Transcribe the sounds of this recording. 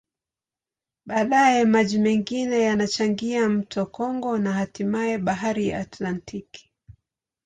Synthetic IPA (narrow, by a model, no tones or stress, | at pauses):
ɓaːɗajɛmaʄimɛŋɡinɛjanat͡ʃaŋɡiam̩tʰɔkɔŋɡɔnahatimaɛɓaɦaɾija̰ːtlantʰiki̥